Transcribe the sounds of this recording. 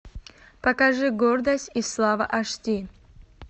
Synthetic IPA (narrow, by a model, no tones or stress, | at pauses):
pɐkaʐɨɡord̪ɐsʲtʲislˠavɐʔɐʂtʲi